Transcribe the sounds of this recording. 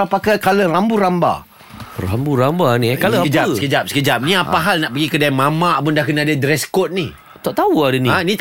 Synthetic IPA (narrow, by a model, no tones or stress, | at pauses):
apakakalərambuɾamba̰ | ra̰mbuɾambanikaləəd͡ʒasəkəd͡ʒap̚səkəd͡ʒap̚nĩapaɦalnaʔpəɡikədajmamaʔpʊndahkənaadədɾɛskɔt̪̚ni | t̪aʔt̪auadənianĩ